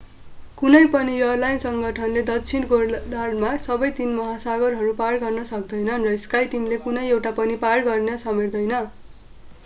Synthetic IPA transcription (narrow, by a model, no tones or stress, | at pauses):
kunʌjpʌnijʌrlajnsʌŋɡʱʌʈʰʌnled̪ʌkt͡sʰinkod̪aɽmasʌbʌjt̪inmʌɦasaɡʌɾɦʌɾuparɡʌrnʌsʌk̚d̪ʌjnʌnrʌiskajʈimlekunʌjewʈapʌniparɡʌrnʌsʌmerd̪ʌjnʌ